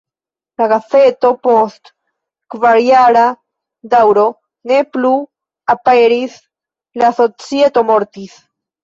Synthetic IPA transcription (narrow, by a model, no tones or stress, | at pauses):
laɣaθet̪opost̪ | kvaɾjaɾa | d̪awɾo | neplu | apeɾiθ | laθot͡sjet̪omoɾt̪iθ